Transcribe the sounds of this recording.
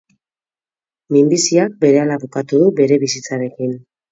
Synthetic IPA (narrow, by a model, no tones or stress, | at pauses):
mimbisiak̚be̞ɾe̞alaβukat̪uðube̞ɾe̞βisit͡saɾe̞kin